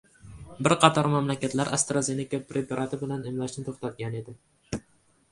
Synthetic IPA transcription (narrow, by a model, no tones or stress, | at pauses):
bɪɾqʰɑt̪ʰɒɾmamlakʲat̪laɾʔast̪ɾaze̞nɪkapʰɾepɾat̪ʰɪbɪlanemlaʃnɪt̪ʰoχt̪at̪̚ɡʲane̞d̪ɪ